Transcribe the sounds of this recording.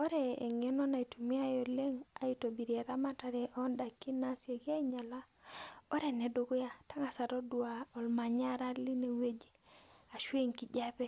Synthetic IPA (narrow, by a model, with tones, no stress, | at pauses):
o˦ɾɛ̰ː˨ŋe˦nɔ˦na˨i˨tu˨mi˦a˦jo˨le˦ŋa˨i˦to˨bi˨ɾja˨ɾa˦ma˦ta˨ɾɛ˨ʔɔ˦nda˨kːi˦na˦sje˨ɡa˦i˦ɲa˨la˦ | o˦ɾe˨nɛ˨do˨ɡo˦ja˦˨ta˦ŋa˨sa˨ɾɔ˦du˨a˨ɔ˨lma˨ɲa˦ɾa˦li˦ne˨we˦d͡ʒi̥˦a˨ʃwe˦ŋki˨d͡ʒa˦pɛ˦